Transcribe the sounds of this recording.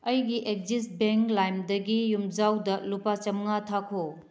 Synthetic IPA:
ɐjɡiʔek̚d͡ʒist̚beŋklajmdɐɡijumd͡ʒawdɐlupat͡ʃɐmŋatʰakʰo

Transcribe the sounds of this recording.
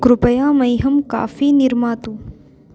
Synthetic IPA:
ɡɾʊpɐjaːmɐjɦɐmka̰ːfiːniɾmaːt̪ũː

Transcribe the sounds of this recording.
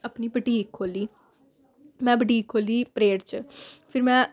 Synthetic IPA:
əpniːbəʈiːkʰːoːliː | mɛ̃ːbəɖiːkʰːoːliːpɾeːʈt͡ʃpʰɪɾmɛ̃ː

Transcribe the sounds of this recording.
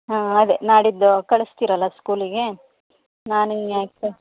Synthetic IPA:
ɦaːɐd̪enaːɽid̪ːukɐɭest̪iːɾɐlːɐskuːliɡe̞ | naːnujaːke

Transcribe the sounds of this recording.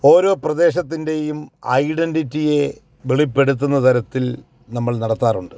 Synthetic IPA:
o̞ːɾo̞ːprɐd̪e̞ːɕ̬ɐt̪̬ːinde̞jumɐ̰jɖenditːije̞ | ʋeɭipːe̞ɽut̪̬ːunːɐt̪ɐɾɐt̪ːil | nɐmːɐɭnɐɽɐt̪ːaːruɳɖɨ

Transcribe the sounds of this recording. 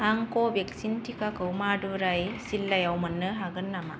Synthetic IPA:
aŋkobjeksint̪ʰikakɐwmaːɖuɾajsilːɐjawmɐnːɯɦaɡɯnːɐma̰

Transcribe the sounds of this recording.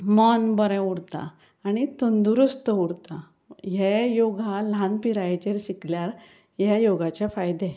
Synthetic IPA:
mənbəɾɛ̃uɽt̪a̰ː | ɽ̃it̪ənd̪uɾust̪əuɽt̪a | ɦejoɡʱalãnpiɾajt͡ɕeɾɕikljaɾ | ɦajoɡat͡ɕafajd̪e

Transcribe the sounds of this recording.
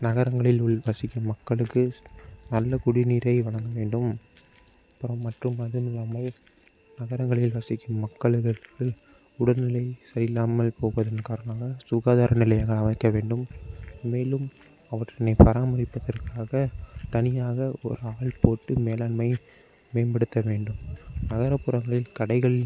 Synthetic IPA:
nɐɣɐɾɐŋɡɐɭɪlʊɭʋɐsɪkːɯmːɐkːɐɭɯkːɯnɐlːɐkʊɽɪniːɾɐɪʋɐɭɐŋɡɐʋeːɳɖɯm | pːɯɾɐmːɐʈrɯmɐðɯnɪlaːmɐl | nɐɣɐɾɐŋɡɐɭɪlʋɐsɪkːɯmːɐkːɐɭɣɐɭɯkːɯ | ʊɽɐnɪlɐɪsɐɾɪlaːmɐlpoːpɐðɐnkaːɾɐnaːɣɐsʊɣaːðaːɾɐnɪlɐjaːɣɐɭɐʋɐɪkːɐʋeːɳɖɯmː | eːlɯm | ɐʋɐʈrɐnɐɪpɐɾaːmɐɾɪpːɐðɐrkaːɣɐt̪ɐnɪjaːɣɐɔ̰ɾɯaːɭpoːʈːɯmeːlɐɳmɐɪ | meːnbɐɽɯt̪ːɐʋeːɳɖɯmnɐɣɐɾɐpːɯɾɐŋɡɐɭɪlkɐɽɐɪɣɐɭɪl

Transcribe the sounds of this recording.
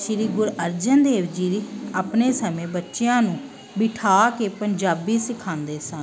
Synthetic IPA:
ʃɪɾiːɡʊɾəɾd͡ʒənd̪eːʋd͡ʒiːɾiːaːpneːsəmẽːbətːʃjãːnũː | bɪʈʰaːkeːpəɲd͡ʒaːbiːsɪkʰãːnd̪eːsən

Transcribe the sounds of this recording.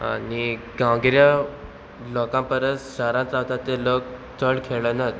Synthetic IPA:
a̰ni | ɡãɡɾja | lɔkãmpəɾəsɕaɾãnt͡sat̪at̪eləkt͡səɭkʰeɭənat̪

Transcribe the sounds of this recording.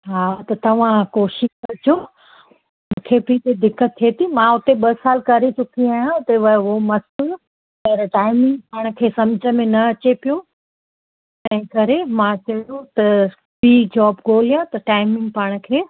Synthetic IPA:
ɦaːt̪ɐt̪ɐʋ̤ãkoːʃɪʃkɐɾd͡ʑʰo | mm̃ũkʰepit̪ed̪ɪkːət̪ʰːiet̪ʰimãʊt̪eɓɐsaːlkɐɾet͡ɕʊkʰiaːjãt̪eʋɐomɐs | ɐɾʈaːɪmɪ̃ŋɡ̚paːɽ̃̆kʰeːsɐmd͡ʑʱə̆mẽnɐɐt͡ɕepijũ | ɛ̃ɪ̃kɐɾemãt͡ɕɐɽũt̪ɐ | biːd͡ʑɔːbɡoːlijãt̪ɐʈaːɪmɪ̃ŋɡ̚paːɽ̃̆kʰeː

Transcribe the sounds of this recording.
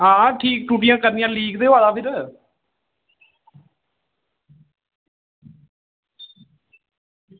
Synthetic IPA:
ɦãːʈʰiːk̚ʈuːʈ̬ijãːkəɾnɪjãːliːɡd̪eːaːd̪aːpʰɪɾ

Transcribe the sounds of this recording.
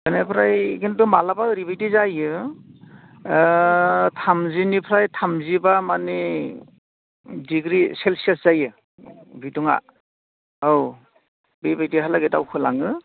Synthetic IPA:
ɡɯnepʰɾajkentumalabaɾibajtizajɯ | tʰamzinipʰɾajtʰamzibamani | diɡɾiselsieszajɯ | bituŋa̰ | aw | bijbajtiɦalaɡeta̰wkʰɯla̰ŋɯ

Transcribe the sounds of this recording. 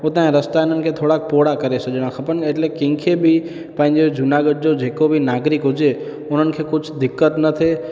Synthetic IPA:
ot̪ãɦẽɾəst̪aɪn̤ənɪ̆kʰet̪ʰoːɽaːkpoɽakəɾesəd͡ʒəɽ̃ãkʰɐpəneʈlekɪ̃ŋkʰebʱi | pə̃ɦɪ̃ɲd͡ʒed͡ʒʊnaɡəʈ̚d͡ʒod͡ʒeːkobʱinaːɡɾɪkɦʊd͡ʒe | ʊn̤ənɪ̆kʰekʊt͡ʃʰd̪ɪkːət̪nət̪ʰe

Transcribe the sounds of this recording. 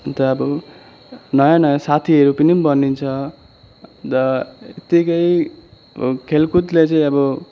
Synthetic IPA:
t̪ʌːbʌ | nʌjanʌjasat̪ʰiʌɾupʌnibʌnint͡sʰʌ | d̪ʌet̪ikʌj | kʰelkut̪let͡sʌĩʌbʌ

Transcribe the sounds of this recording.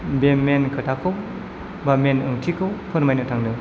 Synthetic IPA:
bemenkʰɯtʰakʰɯw | bamenɯŋtʰikʰɯwpʰɯɾmajnɯtʰaŋnɯ

